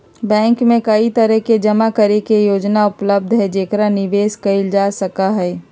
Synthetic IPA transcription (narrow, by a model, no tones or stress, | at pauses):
bɛ̃ːŋkmẽkəit̪əɾəɦked͡ʒɐmakɐɾekejoːd͡ʒnaʊpləb̚d̪ʱɦɛd͡ʒeːkɾanɪʋeːskɐɪld͡ʒasɐkaɦɛː